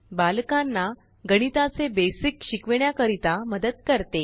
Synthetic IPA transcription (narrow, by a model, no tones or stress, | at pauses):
balkanːa | ɡəɽ̃it̪at͡sebesikɕikʋɳjakəɾit̪aməd̪əd̪̚kəɾt̪e